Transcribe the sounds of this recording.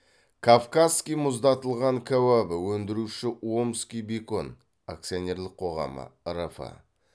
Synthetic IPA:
kʰafkaskʲijmʊzd̪ɑt̪əlˠʁɑŋkʲʰæwæbɪwɵnd̪ɪɾuʃɪwomskʲijbeko̞n | a̰k̚t̪sijonʲe̞rlɪq̚ʰo̞ʁɑ̰mə̰ɾafɑ̰

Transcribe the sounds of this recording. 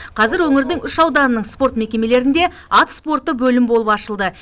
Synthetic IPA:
qʰɑzɪɾwɵŋɪɾd̪ɪŋʏʃɑwd̪ɑɾənəɴspo̞rt̪me̞kʲe̞me̞le̞ɾɪnd̪e̞ | ɑt̪spo̞rt̪ːəbɵlɪmbo̞lˠəpɑʃəlˠd̪ə

